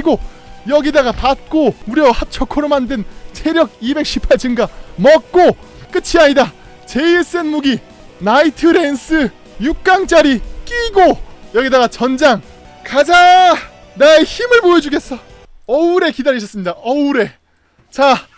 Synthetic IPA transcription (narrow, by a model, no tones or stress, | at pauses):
iɡo | jʌɡidaɡapat̚k͈omuɾjʌhat͡ɕʰʌkʰoɾomandɯnt͡ɕʰe̞ɾjʌɡ̚ibe̞k̚ɕ͈ʰipʰaɭt͡ɕɯŋɡamʌk̚k͈ok͈ɯt͡ɕʰiaɲida | t͡ɕe̞es͈ɯe̞nmuɡi | naitʰɯɾe̞ns͈ʰɯ | juk̚k͈aŋt͡ɕ͈aɾik͈iɡojʌɡidaɡat͡ɕʌnd͡ʑaŋ | kad͡ʑa | naeçimɯɭpoed͡ʑuɡe̞s͈ʌ | ʌuɾe̞kidaɾiɕʰʌs͈ɯmɲidaʌuɾe̞ | t͡ɕa